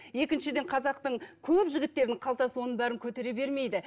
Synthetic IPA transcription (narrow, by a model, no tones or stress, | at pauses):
je̞kʲɪnʃɪd̪e̞ɴqʰɑzɑqt̪əɴkʲʰɵpʒɪɡʲɪt̪ːe̞ɾd̪ɪŋqʰɑlˠt̪ɑsəwo̞nəɴbæɾɪŋkʲʰɵt̪e̞ɾe̞be̞ɾme̞jd̪ɪ